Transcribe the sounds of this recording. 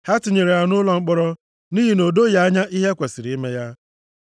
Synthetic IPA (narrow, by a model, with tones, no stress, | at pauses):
ha˦tɪ˨ɲe˨ɾe˨a˨nʊ˦lɔ˨ŋ͡m̩˦k͡pɔ˦ɾɔ˦ | niː˦ɦi˨no˨do˦ja˦a˦ɲa˦ʔi˦ɦe˦kʷe˨si˨ɾi˦me˦ja˦